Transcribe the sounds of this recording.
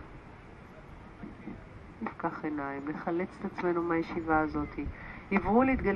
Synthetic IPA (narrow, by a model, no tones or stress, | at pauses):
nifkaχe̞najimleχale̞t͡se̥t̪at͡sme̞numajeʃivaːzo̞t̪ʰihivʁuleit̪̚ɡal